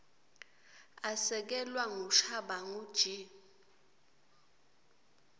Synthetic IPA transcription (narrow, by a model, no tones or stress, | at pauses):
asɛk̬ɛlwaŋuʃaɓaŋud̥ʒ̥ʱi